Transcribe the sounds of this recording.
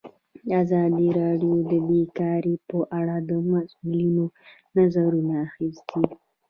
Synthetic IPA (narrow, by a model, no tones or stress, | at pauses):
azɑd̪iɾɑɖjod̪əbekɑɾepəʔaɽad̪əmasulino | nazaɾunaːxisd̪i